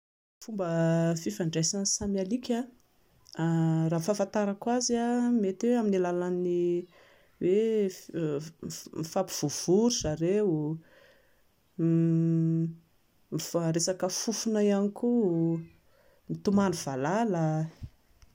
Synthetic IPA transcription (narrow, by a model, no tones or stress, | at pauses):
fumbəfifaɳɖ͡ʐesansamalikʲa | raːfafant̪aɾakwaziamet̪weaminilalani | we | mifapiv̥uv̥uɾuz̥aɾeu | mifaɾesakəfufunaianiku | mit̪umanuv̥alalə